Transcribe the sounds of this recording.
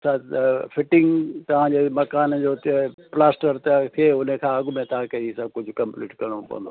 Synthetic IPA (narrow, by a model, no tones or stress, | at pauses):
safʰɪʈɪ̃ŋɡt̪ɐʋ̤ãːd͡ʑeːmɐkaːnd͡ʑoːplaːsʈəɾt̪t̪ʰieʊnəkʰãːɐɡʊmẽt̪aãkɐisɐb̚kʊd͡ʑʱʊkɐ̃mplḭːʈkɐɾɽ̃opɐ̰ʋə̃nd̪o